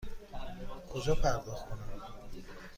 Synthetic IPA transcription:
kʰod͡ʒɒpʰæɾd̪ɔxt̪kʰonam

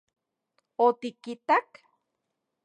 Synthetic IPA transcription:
ot̪ikit̪ak

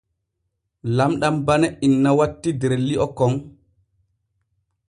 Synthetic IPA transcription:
lamɗambanɛinːawatːidɛɾelːiʔɔkɔŋ

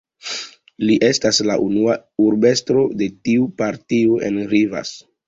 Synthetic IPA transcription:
liʔe̞staslaʔunuauɾbe̞stɾo̞de̞tiupaɾtioʔe̞̰nɾiva̰s

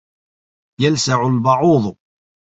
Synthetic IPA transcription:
jəlsaʕʊlbɑʕʊðˤ

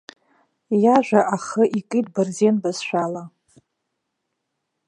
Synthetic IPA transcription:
jaʒᶣʷaʔaχəʔikʼit̚ʼbɨrzenbazʃʷᶣala

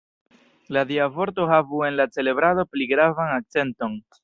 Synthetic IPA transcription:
ladiavo̞ɾt̬o̞havue̞nlat͡se̞le̞bɾaðo̞pliɡɾavanak̚t͡se̞nto̞n

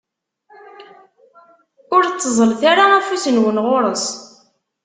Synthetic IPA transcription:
ʊɾt͡sːəzˤəlθaɾaæfusənwənʁʊɾˤəs

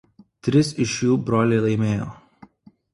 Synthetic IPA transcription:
t̪ʲɾʲɪsɪʃjuːbɾoːlʲeɪlˠɐɪmʲeːjo̰ː

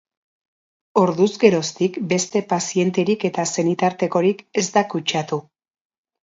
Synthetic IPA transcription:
o̞ɾðuzɡe̞ɾo̞st̪ikbe̞st̪e̞pasie̞nt̪e̞ɾike̞t̪ase̞nit̪aɾt̪e̞ko̞ɾike̞zt̪akut͡ʃat̪u

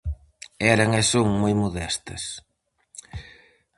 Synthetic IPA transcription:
ɛɾɐŋesoŋmojmoðɛst̪ɐ̰s

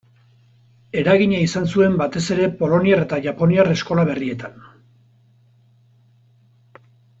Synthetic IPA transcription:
e̞ɾaɣiɲaisansue̞mbat̪e̞se̞ɾe̞po̞lo̞niare̞t̪aʝapo̞niare̞sko̞laβ̞e̞rie̞t̪an

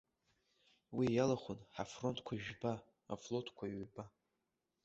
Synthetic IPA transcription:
wijalaχʷʊnħafro̞ntʰkʷʰaiʒᶣba | a̰flo̞tʰkʷʰaiɥba

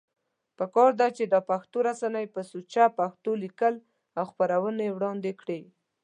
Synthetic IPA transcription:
pəkɑɾd̪at͡ʃed̪əpaxt̪oɾasanəjpəsut͡ʃapaxt̪olikəl | awxpaɾawənewɽɑnd̪ekɽi

